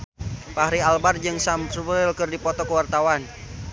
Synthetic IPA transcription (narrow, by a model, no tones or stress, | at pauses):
pahɾialbard͡ʒɨŋsamsubɾɪlkɨrdipɔt̪ɔkəwart̪awan